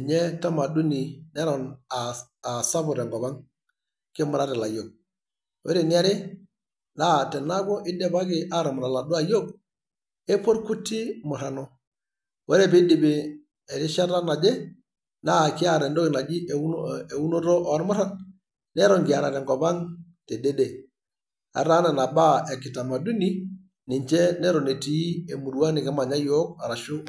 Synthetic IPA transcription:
ɲɛ˦ta˦ma˨du˦ni˨nɛ˦ɾɔ˨na˨a˨sa˦bʊ˨ɾɛ˨ŋɡɔ˨ba˦ŋ | kɪ˦mʊ˨ɾa˦ɾɛ˨la˨jo˨ɡ̚ | wʔḛ˦ɾe˨nɪ˦a˦ɾɪ˦ | naː˦˨tɛ˨na˦ɡɔ˦ʔɪ˦dɛ˦ba˦ɡɪ˨a˦ɾɔ˨mʊ˨ɾa˨la˨dʊ˦a˨jo˦ɡ̚ | e˦po˦ɾku˦tːi˦mʊ˨ɾa˨nɔ˦ | wɛ˦ɾɛ˦bi˦di˨bɪ˨ | ɛ˨ɾɪ˦ʃa˦ɾa˦na˨d͡ʒɛ˦ | na˦˨kɪ˦a˦˨ɾɛ˨ndɔ˦kɪ˨na˨d͡ʒɪ˦ʔe˨u˦no˦ɾɔ˦ʔɔ˨˦ɾmʊ˦ɾa˨n | nɛ˦ɾɔ˨ŋɡɪ˨a˨ɾa˨tɛ˨ŋɡɔ˨pa˦ŋ | tɛ˨de˦de˨ | a̰˨ɾa˦nɛ˨na˨ba˦ɛ˨kɪ˨ta˨ma˨du˦ni˦ | nɪ˨ɲt͡ʃɛ˦nɛ˦ɾɔ˨ne˨ti˨˦e˨mu˨ɾwa˦nɪ˨kɛ˦ma˨ɲa˦jɔ˦ka˨ɾa˨ʃʊ˦

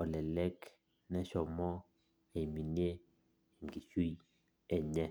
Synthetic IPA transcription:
ɔ˨lɛ˨lɛ˦k | nɛ˦ʃɔ˨mɔ˦ | e˨mi˨ni˦e˦ | e˨ŋɡi˨t͡ʃu˦ | ɛ˨ɲɛ˦

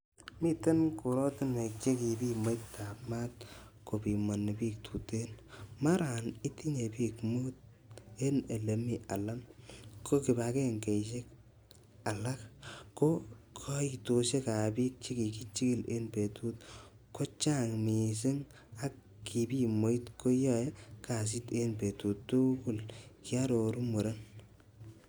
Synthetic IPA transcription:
mi˦te˦nku˨ɾo˦tɪ˦ne˨k̚t͡ʃe˦ki˨bi˦mo˦jtta˨pma˦t̚ | ko˨pi˨mo˨nːe˨pi˦k̚tʰu˨te˦nma˦ɾa˨ni˦ti˦ɲe˨pi˦kmu˦t̚ | e˦ne˨le˨mi˦a˨la˦ŋkʰo˦ki˨ba˨ke˦ŋke˨ʃe˦k | a˨la˦kko˦kʰɔ˦i˨to˨ʃe˦ka˨pi˦k̚t͡ʃi˦ki˨ki˦t͡ʃi˦ki˦le˦npe˨tu˦t̚ | ko˦t͡ʃa˦ŋmi˨s̬e˦ŋ | a˦kː | i˨bi˦mo˨i˦tkʰo˦jɔ˦je˦ka˨s̬i˦te˦npe˨tu˨ttu˦ku˦lki˦a˦ɾo˨ɾu˦mu˨ɾa˦n

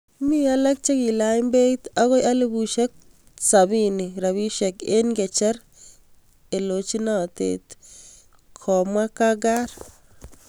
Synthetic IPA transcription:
mi˦a˦la˦k̚t͡ʃe˦ki˨la˦i˦mbe˦i˦t̪a˦ɣo˦jʔa˦le˦bu˨ʃe˦k̚ | sa˨bi˦ni˨ɾa˨βi˦ʃɛ˨ke˦nɡɛ˨t͡ʃɛ˦ɾ | e˨lo˨t͡ʃi˦na˨tḛt | kʰɔ˨mwa˦ka˦ɡa˦ɾ

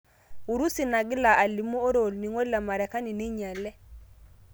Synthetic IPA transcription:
u˨ɾu˦si˨na˨ɡɪ˦la˨ʔa˨li˨mo˦o˦ɾo˨lni˨ŋo˦lla˨ma˨ɾɛ˨ka˦ni˨ni˦ɲa˨lɛ˦

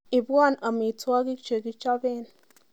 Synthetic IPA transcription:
i˨ba˦˨na˨mi˨t͡swa˦ɡi˦kt͡ʃe˨ɡi˦t͡ʃa˦be˦˨n

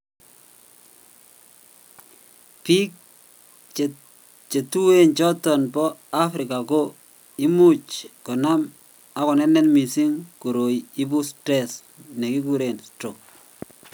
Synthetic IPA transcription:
pi˦k̚ | t͡ʃe˨tu˦we˦nt͡ʃɔ˦tɔ˨nbɔ˦a˦fɾɪ˨ka˨ko˦ | i˦mu˦t͡ʃkɔ˨na˦m | a˨kɔ˨nɛ˦nːɛ˦nmi˨si˦ŋku˨ɾo˨ji˦bu˦stɾe˦s | ne˨ki˦ku˦ɾe˨nsto˨k

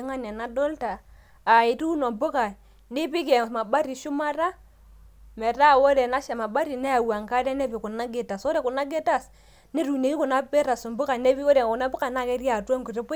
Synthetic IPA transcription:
ŋa˦n˨a˨na˦dɔ˦ltaː˨ | ɪ˨tu˦no˨mbʊ˦ka˨ | nɪ˦pɪ˦ke˨ma˨ba˦ɾi˨ʃʊ˦ma˦ra˦ | mɛ˨ɾa˦wo˦dɛ˨na˦ʃa˨ma˨ba˦ɾi˨nɛ˦a˨wa˨ŋka˦ɾɛ˦ne˦pi˨kʊ˨na˦ɡe˦ta˨sɔ˦ɾe˨kʊ˨na˦ɡe˦ta˦s | ne˦ɾu˨ne˨ki˦kʊ˨na˦pe˦ɾa˨su˨mbʊ˦ka˨ne˦bi˦o˦ɾe˨kʊ˨na˦bʊ˦ka˨na˦˨kɛ˦ɾi˦a˨twɔ˦ŋku˨re˦p

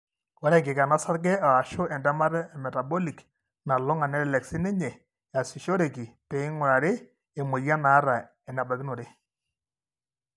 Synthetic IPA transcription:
wa˦ɾɛ˦ŋɡɪ˨ka˨na˦sa˦ɾɡ̬ɛ˦a˨a˨ʃʊ˦ʔɛ˨nda˦ma˦ɾmɛ˨ta˨bɔ˦li˨k | na˨lɔ˦ŋa˨nɛ˦ɾɛ˦˨lɛ˨ksi˦ne˦ɲɛ˨ | ja˨si˨ʃo˦ɾe˨ki˨pe˨ɪ˦ŋʊ˨ɾa˨ɾe˦ | e˨mo˨ja˦na˨˦ɾa˨ | ɛ˨na˨ba˨ki˦no˨ɾe˦

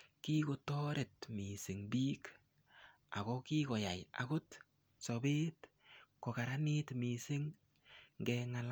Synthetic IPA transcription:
ki˦ko˨tɔ˦ɾe˨tmi˨sɪ˨ŋbiː˦k | a̰˨kɔ˦ki˦kɔ˨ja˨ja̰˨kʊ˦t | sɔ˨be˦t | kɔ˨ka˨ɾa˦nɪ˦tmi˨sɪ˦ŋ | ŋɡɛŋa˨l

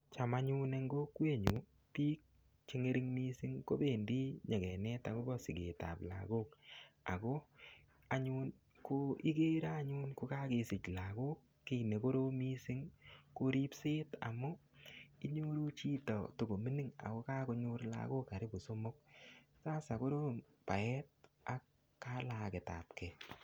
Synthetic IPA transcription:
t͡ʃa˨ma˦ɲu˦ne˧ŋɡo˦kwe˦ɲu˨ | pi˦k̚ | t͡ʃe˦ŋe˦ɾi˦ŋmi˦si˦ŋko˦be˨ndi˦ɲe˨kɛ˨nɛ˦ta˨ko˦bɔ˦si˨ɡḛ˨ta̰˨pla̰˨ɡo˦k̚a̰˨ko˦ | a˦ɲu˦n | ko˦i˦ke˦ɾa˦ɲu˦nko˨˦ka˦ke˨sɪ˨t͡ʃla˨ɡo˦k̚ːi˦ne˨ko˦ɾo˦mi˦sɪ˦ŋko˧ɾi˦pse˦ta̰˨mʊ˦i˦ɲu˦ɾu˦t͡ʃi˦tɔ˨to˨ɡo˨mi˦ni˦ŋa̰˨ko˦ka˦ko˧ɲʊ˦ɾla̰˨ɡo˦ka˨ɾɪ˦bo˨so˦mʊ˦k̚ | saː˦sa˨ko˦ɾo˦m | pa˨ɛ˦t̚ | a˨kː | a˦la˨ke˨ta̰˨p̚kɛ˨

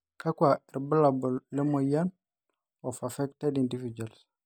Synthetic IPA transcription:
ka˦kwa˨i˨ɾbə˦la˨bu˨lːe˦mo˨ja˦n | o˨fa˨fɛ˦k̚tɛ˦di˨ndi˦vi˨d͡ʒa˨ls

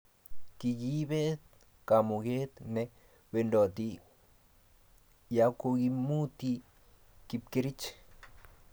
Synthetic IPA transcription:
ki˧ɡi˦βe˦t̪̚ | ka˨mu˨ɡe˦t̪ne˧ | be˧ndo˨t̪i˧ | ja˧˦ko˧ɡi˧mu˦t̪i˧ | ki˧pke˧ɾi˦t͡ʃ

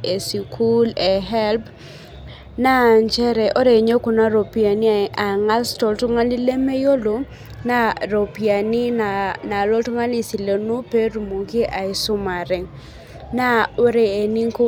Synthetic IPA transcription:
e˨si˨kʰu˦le˨ɦɛ˦lp | na˦˨ɲt͡ʃɛ˦ɾɛ˨ʔo˦ɾe˨ɲo˦ku˨na˦ɾo˨pi˨a˨ni˦a˨ŋa˦lstɔ˨ltʊ˦ŋa˦li˦le˦me˦jo˦lo˨ | na˦ɾo˨pia˨nɪ˦na˨na˨lɔ˦ltʊ˦ŋa˦li˦si˨le˨nu˦pe˦ɾu˨mo˨ki˦ʔa˨ɪ˨sʊ˦ma˨ɾɪ˨ŋ | na˦o˦ɾeː˨ni˦ŋko˦

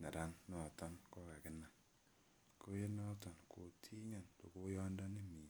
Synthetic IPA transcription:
na˨ɾa˦nːɔ˨tɔ˦nkɔ˦ka˨kɪ˦na˦˨ŋ | ko˦je˦nɔ˦tɔ˨nkʰo˨tʰi˦ɲa˨nto̰˨ko˦jɔ˦ndɔ˦ne˦mi˨n

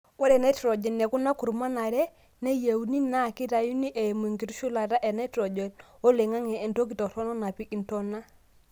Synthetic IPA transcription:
wɔ˦ɾɛ˨nɛ˦tɾɔ˨d͡ʒɛ˨nːɛ˨ku˦na˦ku˨ɾma˦na˨ɾɛ˦ | ne˦je˨u˦ni˦na˦˨ki˦ta˨ju˦ni˦ʔe˨mu˨ŋɡi˨ɾu˦ʃu˦la˨ta˦ʔɛ˨nɛ˦tɾɔ˨d͡ʒɛ˨no˦le˨ŋa˦ŋɛː˨nto˦k̬i˨tɔ˨ɾɔ˦nɔ˦na˨pi˦ʔi˦ntɔ˦na˦

